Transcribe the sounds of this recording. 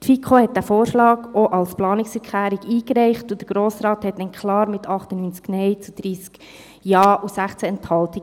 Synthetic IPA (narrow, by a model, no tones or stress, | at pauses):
tfikʰχohɛt̚d̥æfoːɾʃlɑːɡoʔɑlsplɑːnɪksfɛɾkʰχlæːɾiɡiːkɾɛɪχtud̥̪əɾɡ̥ɾoːsɾɑːthɛtdɛnkχlɑːɾmɪtʰɑχtənyːnt͡sknɛɪt͡sud̥ɾiːsk | jɑːʔusæχt͡sæɛnthɑlti